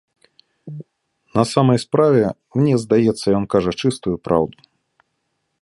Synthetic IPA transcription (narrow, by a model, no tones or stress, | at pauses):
nɐsamɐjspɾavʲɛ | mnʲɛzd̪ajɛt̪sːɐjɔnkaʐɐt͡ʂɨst̪ujupɾa̰wd̪u